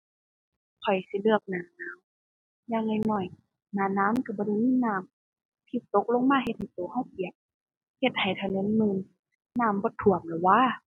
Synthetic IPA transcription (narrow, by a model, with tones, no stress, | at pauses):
kʰɔ˨˩jsi˧˦lɯ˧˩ək̚naː˨˩naː˨˧˥w | jaː˧ŋŋa˧˩jnɔ˧˩j | naː˨˩naː˧˥˨mka˧˩bɔː˧˦ɾa˧˨miː˧˥˨naː˧˩˨m | t̪ʰi˧˩t̪o˧˦k̚lo˧˥˨ŋmaː˧˥˨he˧t̪̚ha˨˩jt̪oː˨˩˦hɔ˧˥˩wʔi˨˩ək̚ | he˧˩t̪̚ha˨˩jt̪ʰa˧ne˧˥˨nmɯː˧˨n | naː˧˩mbɔː˧˦t̪ʰu˨˩əmlɛ˨˩waː˧˥˨